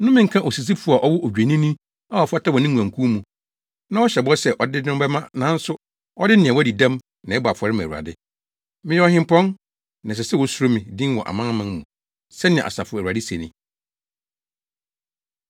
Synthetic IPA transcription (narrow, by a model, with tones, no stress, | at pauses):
nʊ̃˦mɪ̃˨ŋ̩˨˦kʰã˦ʔo˨si˨s̬i˦fu˦˨a˨ʔɔ˦wɔ˦ʔo˨d͡ʑᶣe˨nĩ˦nĩ˦ | a˦ɔ˨fa˦tʰa˦wɔ˨nɪ̃˦ŋũ˨ã˨ŋ˨kʰũ˦mũ˨ | nã˦wɔ˦ɕɛ˨bɔ˦sɛ˦ʔɔ˨dɪ˦dʊ̃˦bɛ˦mã˦nã˨˦n̩˦sʊ˦ | ɔ˦dɪ˦nɪ̃˨ɛ̃˨wɔ˦di˨dã˦m | nã˨ɛ˦ba˨fɔ˨ɾɪ˦mã̰˨u˨a̰˨dɪ˦ | mɪ̃˦jɛ˦ɔ˨˦hɪ̃˦m˦pʰɔ̃˦n | nã˨s̬ɛ˨sɛ˦wɔ˦su˦ɾo˦mĩ˨dĩ˦n˦wɔ̰̃˨ʔa̰˨mã˦mã˦n˦mũ˨ | sɛ˦nɪ̰̃˨a̰˨sa˨fʊ˨˦˨æ˨a˨dɪ˦se˨nĩ˨